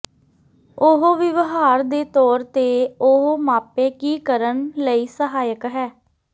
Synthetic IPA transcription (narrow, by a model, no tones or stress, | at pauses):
ʊɦoʋɪʋɦaːɾd̪eːt̪ɔːɾt̪eːʊɦomaːpeːkiːkəɾənləiːsəɦaːjəkɦɛː